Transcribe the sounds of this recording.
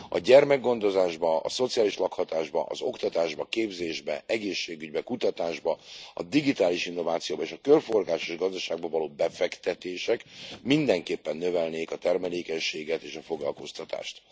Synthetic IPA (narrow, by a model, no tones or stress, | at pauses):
ɒ̰ɟɛrmɛɡɡːo̞nd̪o̞zaːʒbɒɒ̰so̞t̪sijaːliʃlɒkhɒt̪aːʒbɒ̰ʔɒ̰zo̞kt̪ɒt̪aːʒbɒkeːbzeːʒbɛ̰ɛɡeːʃːeːɡyɟbɛkut̪ɒt̪aːʒbɒɒ̰d̪iɡit̪aːliʃinːo̞vaːt̪sijoːbɒeːʃɒkørfo̞rɡaːʃoʒɡɒzd̪ɒʃaːɡ̚bɒvɒloːbɛfɛkt̪ɛt̪eːʃɛkmind̪ɛŋkeːpːɛnːø̞vɛlneːkɒt̪ɛrmɛleːkɛɲʃeːɡɛt̪eːʃɒfo̞ɡlɒ̰lko̞st̪ɒt̪a̰ːʃt̪